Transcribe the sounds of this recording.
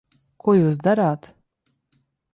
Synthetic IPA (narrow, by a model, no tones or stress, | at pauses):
kuɔjuːs̬d̪aɾaːt̪